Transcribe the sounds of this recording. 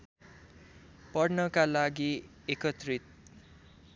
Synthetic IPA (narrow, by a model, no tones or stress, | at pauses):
pʌrnʌkalaɡi | ekʌt̪rit̪̚